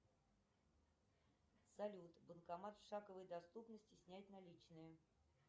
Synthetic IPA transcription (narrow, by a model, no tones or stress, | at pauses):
sɐlʲut̪bənkɐmat̪fʂakəvəjd̪ɐst̪upnəsʲtʲɪsʲnʲæjɪt̪nɐlʲit͡ɕnɨjə